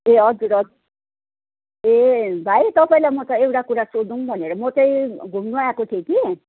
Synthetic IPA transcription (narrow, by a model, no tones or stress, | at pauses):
eɔd͡zɾɔ | ebʱaet̪ɔpɔjlamɔt̪ɔewɽakuɽasod̪uŋbɔneɾɔmɔt̪ɔiɡʱumnuajakoʈʰeki